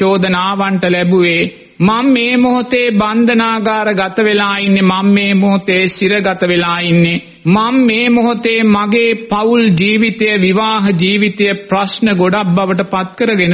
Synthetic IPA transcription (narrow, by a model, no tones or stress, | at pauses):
oːd̪ənaːʋaɳʈəlɛbuʋeː | mamːeːmoɦot̪eːband̪ʱənaːɡaːɾəɡat̪əʋelaːinːemamːeːmoɦot̪eːsiɾəɡat̪əʋelaːinːe | mamːeːmoɦot̪eːmaɡeːpauld͡ʒiːʋit̪ɐjəʋiʋaːɦəd͡ʒiːʋit̪ɐjəprasnəɡoɖabːaʋəʈ̬əpat̪̚kəɾəɡenə